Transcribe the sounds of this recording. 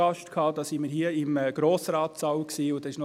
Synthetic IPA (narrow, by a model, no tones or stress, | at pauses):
ɑʃtkʰhɑːd̪ɑːsɪnməɾhiəɪməɡ̥ɾoːsɾɑːt̪sɑwksiːʊd̥̪ɑɪʃnɔ